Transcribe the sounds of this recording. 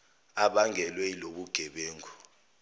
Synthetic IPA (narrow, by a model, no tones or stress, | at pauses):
aɓaŋʱɛlweiloɓuɡ̥ʱɛɓeːŋɔ